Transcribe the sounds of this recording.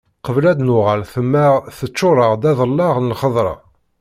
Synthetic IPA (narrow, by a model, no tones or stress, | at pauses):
qəvlæd̪nʊʁalθəmːæʁθət͡ʃːʊɾˤəʁd̪æðˤəlːɑʁnlχəðˤɾˤɑ̰